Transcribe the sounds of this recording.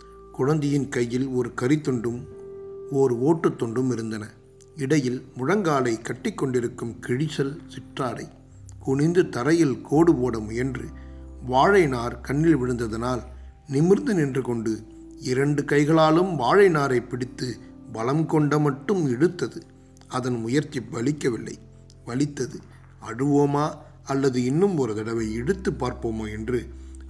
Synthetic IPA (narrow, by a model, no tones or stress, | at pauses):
kʊɻɐnd̪ɪjɪnkɐjːɪlɔɾɯkɐɾɪt̪ːɔɳɖɯm | ɔɾɯoːʈːɐt̪ːɔɳɖɯmɪɾɯnd̪ɐnɐ | ɪɽɐjɪlmʊɻɐŋɡaːlɐɪkːɐʈːɪkːɔɳɖɪɾɯkːɯmkɪɻɪsɐlsɪʈraːɽɐ̰ɪ | kʊɳɪnd̪ɯt̪ɐɾɐjɪlkʰoːɽɯpoːɽɐmʊjɛndrɯ | ʋaːɻɐɪnaːɾkɐɳːɪlʋɪɽɯnd̪ɐðɐnaːl | nɪmɪɾnd̪ɯnɪndrɯkɔɳɖɯ | ɪɾɐɳɖɯkɐɪɣɐɭaːlɯmʋaːɻɐɪnaːɾɐɪpːɪɽɪt̪ːɯbɐlɐmkɔɳɖɐmɐʈːɯmɛɽɯt̪ːɐðɯ | ɐðɐnmʊjɐɾt͡ʃːipʋɐɭɪkːɐʋɪlːɐ̰ɪ | ʋɐɭɪt̪ːɐðɯ | ɐɽɯʋoːmaː | ɐlːɐðɯɪnːɯmɔɾɯðɐɽɐʋɐɪɛɽɯt̪ːɯpːaːɾpoːmoːɛndrɯ